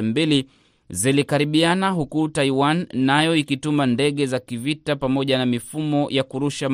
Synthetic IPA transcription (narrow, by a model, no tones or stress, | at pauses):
mbili | zilikaɾiɓianaɦukutaiwanːajɔikitumandɛɠɛzakivitapamɔʄanamifumɔjakuɾuʃam